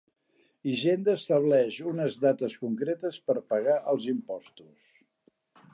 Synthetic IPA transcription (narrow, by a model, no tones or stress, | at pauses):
iʒend̪əːst̪əβlɛʃunəzðat̪əskuŋkɾet̪əspəɾpəɣaʔəlˠzimpɔst̪us